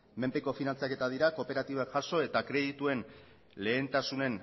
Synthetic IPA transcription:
me̞mpe̞ko̞finant͡sake̞t̪að̞iɾako̞pe̞ɾat̪iβoakʝaso̞e̞t̪akɾe̞ðit̪ue̞n | le̞ːnt̪asune̞n

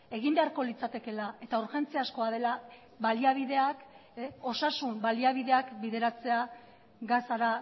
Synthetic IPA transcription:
e̞ɣimbe̞aɾko̞lit͡sat̪e̞ke̞lae̞t̪auɾxe̞nt͡seasko̞að̞e̞la | βaliaβ̞iðe̞ako̞sasumbaliaβiðe̞akbiðe̞ɾat͡se̞a | ɡasaɾa

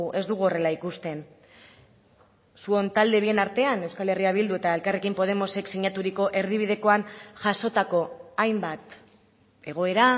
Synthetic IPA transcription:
ʔe̞zd̪uɣ̞uo̞re̞laikust̪e̞n | suo̞nt̪ald̪e̞β̞ie̞naɾt̪e̞anewskale̞riaβ̞ild̪ue̞t̪ae̞lkarekimpo̞ð̞e̞mo̞se̞ksiɲat̪uɾiko̞ʔe̞ɾð̞iβ̞ið̞e̞ko̞anʝaso̞t̪ako̞ajmbat̪ | e̞ɣ̞o̞e̞ɾa

